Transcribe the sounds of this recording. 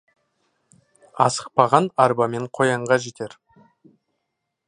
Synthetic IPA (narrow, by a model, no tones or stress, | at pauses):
ɑ̰sə̥q̚pɑʁɑnɑɾbɑme̞ɴqʰo̞jɑɴʁɑʒe̞t̪e̞ɾ